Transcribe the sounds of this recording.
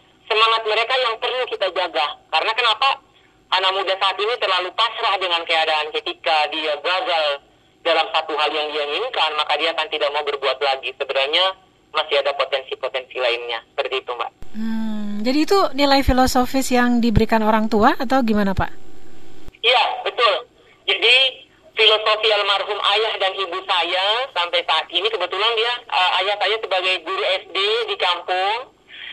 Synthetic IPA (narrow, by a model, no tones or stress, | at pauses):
səmaŋat̪̚məɾekajaŋpərlukit̪ad͡ʒaɡahkaɾənakənapa | ʔanamudasaːt̪init̪ərlalupasɾahdəŋankəadaankət̪ikadiaɡuaɡal | dalamsat̪uɦaljaŋdiaŋiŋkanmakadiaːkant̪idaʔ̚maubərbuat̪laɡisəbəɾahɲa | masiadapot̪ɛnsipot̪ɛnsilaɪnɲasə̥pərt̪iːt̪uma̰ʔm̩d͡ʒadiːt̪unilajfilosofɪsjaŋdibəɾikanoɾaŋt̪uaːt̪̬awɡimanapa̰ʔ | ijabət̪ʊl | d͡ʒadi | filosofialmarɦʊmʔajahdanibusajasampajsaːt̪̚inikəbət̪ulandiaəʔajahsajasəbaɡajbuɾiɛsdedikampʊŋ